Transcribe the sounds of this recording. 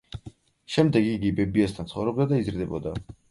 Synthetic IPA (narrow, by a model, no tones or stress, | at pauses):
ʃɛmd̪ɛɡiɡibɛbiast̪ʰant̪sχɔ̰vɾɔbd̪ad̪aizɾd̪ɛbɔ̰d̪a